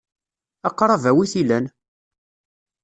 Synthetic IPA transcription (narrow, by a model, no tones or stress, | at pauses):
ɑqɾˤɑvæwiθilæn